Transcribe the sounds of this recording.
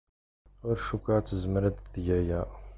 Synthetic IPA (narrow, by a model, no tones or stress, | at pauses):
ʊɾʃukʷat͡sːəzəmɾæd̪θʝæjæ